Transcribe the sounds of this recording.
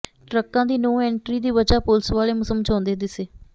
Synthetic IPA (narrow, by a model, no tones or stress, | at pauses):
ʈɾəkːãːd̪iːnuːɛːɳʈɾiːd̪iːʋəd͡ʒaːpʊlsʋaːleːmʊsəmːəd͡ʒɔ̃ːnd̪eːd̪ɪseː